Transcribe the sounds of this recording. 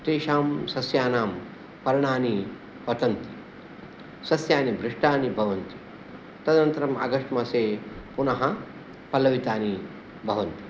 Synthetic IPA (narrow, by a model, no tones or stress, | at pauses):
t̪eːʃaːmsɐsjaːnaːm | pɐɾɐɳaːni | pɐt̪ɐnt̪i̥ | sɐsjaːnibɾɪʂʈaːnibʱɐʋɐnt̪i̥ | t̪ɐd̪nɐnt̪ɐɾɐmɐ̰ɡɐʂʈmɐseːpunɐɦɐ | pɐlɐʋit̪aːni | bʱɐʋɐnt̪i̥